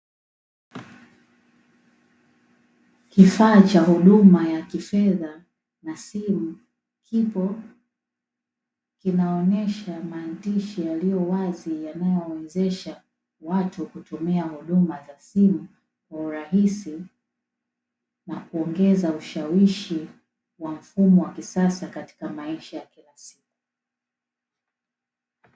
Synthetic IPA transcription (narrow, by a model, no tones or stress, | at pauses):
kifaːt͡ʃahuɗumajakifɛða | nasimu | kʰipɔ | kinaɔnɛʃamaːndiʃijalijɔwazijanajɔwɛzɛʃa | watʰukutumiahuɗumazasimu | kwauɾaɦisi | nakuɔŋɡɛzauʃawiʃi | wam̩fumɔwakisasakati̥kamaɛʃajakilasi̥k̚u̥